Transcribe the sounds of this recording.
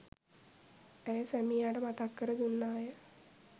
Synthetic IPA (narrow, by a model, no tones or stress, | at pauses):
æjəsæmijaːʈəmat̪akːəɾəd̪unːaːjə